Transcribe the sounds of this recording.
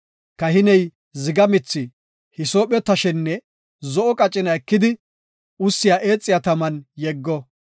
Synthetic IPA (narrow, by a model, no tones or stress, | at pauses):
kɐhɪnɛj | zɪɡɐmɪt͡sːɪ | hɪsoːpʼɔt̪ːɐʃɛnːɛ | zɔʔɔkʼɐt͡ʃʼːɪnɐɛkːɪd̪ɪ | ʊsːɪjaːʔe̞ːt͡sʼːɪjat̪ɐmɐnjɛɡːɔ